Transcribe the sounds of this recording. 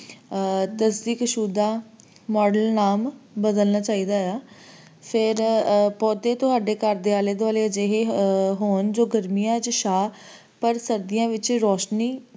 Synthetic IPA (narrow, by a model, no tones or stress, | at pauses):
t̪əsd̪iːkəʃuːd̪aː | mɔːɖəlnaːmbəd̪əlnaːt͡ʃaːiːd̪aːjaː | pʰɪɾpɔːt̪eːt̪ʊɦaːɖeːkəɾd̪eːaːleːd̪aːleːəd͡ʒeɦeːɦoːnd͡ʒoːɡəɾmijãːt͡ʃʃaː | pəɾsəɾd̪ɪjãːʋɪt͡ʃɾɔːʃniː